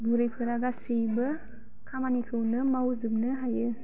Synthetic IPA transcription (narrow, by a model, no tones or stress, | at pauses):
ɡɯɾɯjpʰɯɾaɡasɯjbɯ | kʰamanikʰɯwnɯmawzɯp̚nɯɦajɯ